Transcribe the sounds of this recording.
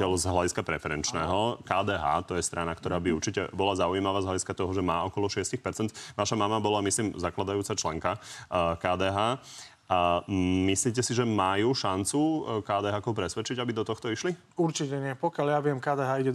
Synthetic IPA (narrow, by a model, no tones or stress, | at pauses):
ɛlzɦlaɟiskapɾɛfɛɾɛnt͡ʃnɛːɦɔkaːd̪ɛːɦa̰ːt̪ɔjɛst̪ɾʔanakt̪ɔɾaːbiuɾt͡ʃicɛ̰bɔlazaujimaʋaːzɦlaɟiskat̪ɔɦɔʒɛmaːɔkɔlɔʃɪɛscixpɛɾt͡sɛnt̪ʋaʃamamabɔlamisliːmzaklad̪ajuːt͡sat͡ʃlɛŋkakaːd̪ɛːɦaː | ʔamisliːc̬ɛsiʒɛmajuːʃant͡sukaːd̪ɛɦaːkɔʊpɾɛsʋɛt͡ʃiɟabid̪ɔt̪ɔxt̪ɔiʃli | uɾt͡ʃicɛɲɪɛpɔkɪjaljaʋɪɛmkaːd̪ɛɦaːiɟɛ